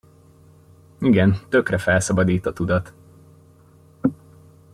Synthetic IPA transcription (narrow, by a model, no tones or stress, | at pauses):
iɡɛnt̪ø̞krɛfɛlsɒbɒd̪iːt̪ɒt̪ud̪ɒt̪